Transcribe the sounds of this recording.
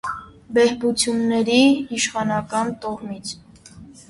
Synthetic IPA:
bɛhbut͡sʰjunːɛɾiiʃχɑnɑkɑnt̪ɔʁmit͡sʰ

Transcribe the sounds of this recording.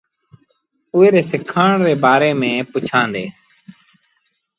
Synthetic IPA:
ʊːeːɾeːsɪkʰaːɳɾeːbaːɾeːmẽːpʊt͡ʃʰãːnd̪eː

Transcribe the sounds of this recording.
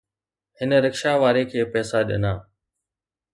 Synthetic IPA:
hɪnəɾəkʃaʋaːɾekʰeːpɛːsaɗɐ̰naː

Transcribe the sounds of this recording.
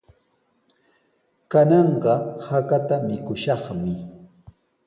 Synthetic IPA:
kanɑɴɢɑhakat̪amɪkʊʃɑχmɪ

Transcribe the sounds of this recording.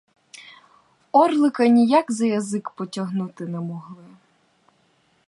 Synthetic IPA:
ɔrlˠɪkɐnʲijakzɐjɐzɪkpɔtʲɐɦnut̪ɪnɐmɔɦlˠɪ

